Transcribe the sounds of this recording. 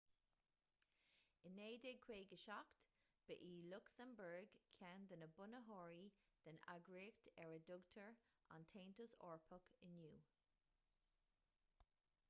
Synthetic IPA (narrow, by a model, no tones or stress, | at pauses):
ɪneːdɪɡ̚kʰweːɡəʃɔkt̪ | b̥əʔiːlʊksəmbəɹɡkʰand̪ənəbʊnəɦɔːɹid̪̥əna̰ɡɹiːktɛɹədʊɡtʰəɹa̰ntʰẽːntəsɔːɹpʰʊkʰɪnjuː